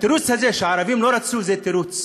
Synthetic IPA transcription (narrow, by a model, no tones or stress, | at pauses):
t̪iɾut͡sʰɐzeʃaːɾɐʋimloɾɐt̪suːzet̪iɾut͡s